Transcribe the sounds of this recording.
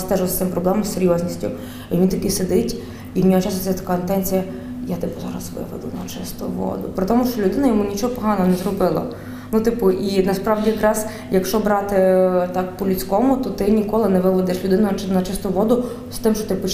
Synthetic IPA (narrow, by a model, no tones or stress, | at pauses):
st̪ɛʒʊst̪ɪmpɾɔblˠɛmɐmsseɾʲjɔzʲnʲisʲtʲʊ̰ | inʲit̪ɐkɪsed̪ɪtʲ | iwnʲɔɦɔt͡ʃɑsʊt̪sɛt̪ɐ̥kaɪnt̪ɛnʲt͡sʲijɐ | jat̪ɪpʊzɑ̰ɾɐ̰sʋɪ̰ʋɛ̰d̪ʊ̰nɐt͡ʃɪst̪ʊ̰ʋɔ̰d̪ʊpɾʲɪt̪ɔmʊʃt͡ʃɔlʲʊd̪ɪnɐjɔmunʲit͡ʃɔɦɔpɔɦɑnɔɦɔnɛzrɔbɪlˠɐ̰ | nut̪ɪpʊʔinɐspɾɑʋdʲijɐkɾɑz̥ | jɐkʃt͡ʃɔbɾɑt̪ɪt̪ɑk̚pɔlʲʊt͡sʲkɔmʊt̪ɔt̪ɪnʲikɔlˠɪnɛʋɪʋɛd̪ɪʃlʲʊd̪ɪnʊɪnɐt͡ʃɪst̪ʊʋɔd̪ʊ | st̪ɪmʃt͡ʃɔ̥t̪ɪpɔt͡ʃ